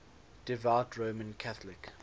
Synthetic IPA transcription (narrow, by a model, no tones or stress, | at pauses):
d̥ɪvaʊtʰɹoːmə̃nkʰaθəlɪk